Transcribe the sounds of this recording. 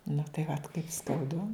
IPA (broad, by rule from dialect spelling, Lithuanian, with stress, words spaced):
nʊ tɐɪ ʋɐt kɐɪp skɐʊˈdʊ